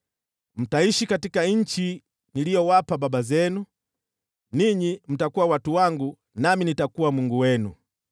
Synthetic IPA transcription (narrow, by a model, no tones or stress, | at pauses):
m̩taiʃikatikaɲ̩t͡ʃi | nilijɔwapababazɛnu | niɲim̩takuwawatuwaŋɡu | naminitakuwamuŋɡuwɛnu